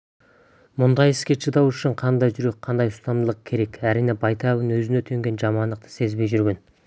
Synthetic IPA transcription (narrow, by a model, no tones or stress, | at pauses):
mʊnd̪ɑjɪskʲe̞ʃəd̪ɑwʏʃɪɴqʰɑnd̪ɑjʒʏɾe̞k̚ʲqʰɑnd̪ɑjʊst̪ɑnd̪əlˠəq̚kʲʰe̞ɾe̞kʲæɾijnebɑjt̪ʰɑbənwɵzɪnet̪ʰeŋɡʲe̞nʒɑmɑnd̪əq̚t̪ə̥se̞zbe̞jʒʏɾɡʲe̞n